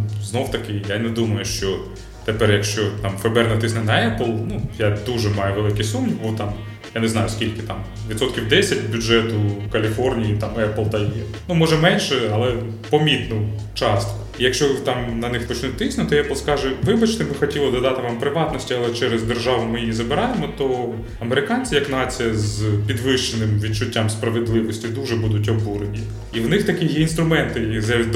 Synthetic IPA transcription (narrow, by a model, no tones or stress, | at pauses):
znowt̪ɐkɪjanɛd̪umɐjʊʃt͡ʃɔ | t̪epɛrjɐkʃt͡ʃɔt̪ɑmfɛbɛrnɛt̪ɪsnɛnɐɛplˠnujad̪uʒɛmɑjɛʋelˠɪkisumnʲibɔt̪ɑm | janɛznɑjʊskʲilʲkɪt̪ɑm | ʋʲit̪sɔt̪kʲiwd̪ɛsʲɐtʲbʲʊd͡ʒʒɛt̪ʊwkɐlʲifɔrnʲijit̪ɑmɛplˠt̪ɐji | numɔʒɛmɛnʲʃɛɐlˠɛ | pɔmʲit̪nʊ | t͡ʃɑst̪kɔ̥ijɐkʃt͡ʃɔt̪ɑmnɐnɪxpɔt͡ʃɪnut̚ʲt̪ɪsʲnʊt̪ɔjɛplˠskɑʒɛʋɪbɐt͡ʃnɪbɪxɔtʲilˠɔd̪ɔd̪ɑt̪ɪmɑmpɾɪʋɑt̪nɔsʲtʲiɐlˠɛt͡ʃɛɾɛzd̪erʒɑʋʊmɪjjizɐbɪɾɑjemɔt̪ɔ | ɐmeɾɪkɑnʲt͡sʲijɐknɑt͡sʲijɐzpʲid̪ʋɪʃt͡ʃenɪmʋʲid̚t͡ʃʊtʲːamspɾɐʋed̪lˠɪʋɔsʲtʲid̪uʒɛbud̪ʊtʲɔbuɾenʲi | iwnɪxt̪ɐkijɛinst̪ɾʊmɛnt̪ɪjza